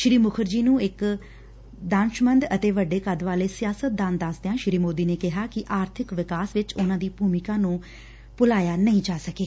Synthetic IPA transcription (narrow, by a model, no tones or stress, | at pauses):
ʃɾiːmʊkʰəɾd͡ʒiːnũːɪk | d̪ãːnʃmənd̪ət̪eːʋəɖːeːkəd̪ʋaːleːsɪjaːsət̪̚d̪ãːnd̪asd̪eãːʃɾiːmoːd̪iːneːkɪɦaːkɪʔaːɾt̪ʰɪkʋɪkaːsʋɪt͡ʃʊnãːd̪iːbʱuːmɪkãːnũː | pʊlaːjaːnəĩːd͡ʒaːsəkeː